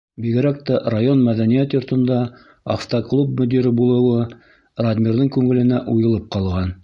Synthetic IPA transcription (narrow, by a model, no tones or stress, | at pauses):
biɡɘ̆ɾæk̚t̪ærajonmæðænijæt̪jŏɾt̪ɤ̆nd̪ɑ | aft̪oklˠub̚mɵ̆d̪iɾɘbulˠɤ̆wɤ | rad̪mʲiɾðɤŋkʉŋɘ̆lɘ̆næʔujɤ̆lˠɤp̚qɑlˠʁɑn